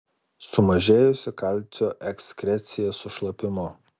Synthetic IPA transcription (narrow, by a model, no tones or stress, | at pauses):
sʊmɐʒʲeːjʊsʲɪkɐlʲt̪ʲoːʔɛksʲkʲɾʲɛt̪sʲɪjɛsʊʃlˠɐpʲɪmʊ